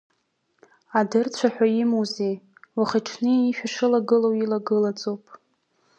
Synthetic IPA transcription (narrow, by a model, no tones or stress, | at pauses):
adɨrt͡ɕʷʰaħʷᶣaimozej | waχaʈ͡ʂʰnɨiʃᶣaʂɨlaɡɨlowilaɡɨlat͡sʼowpʼ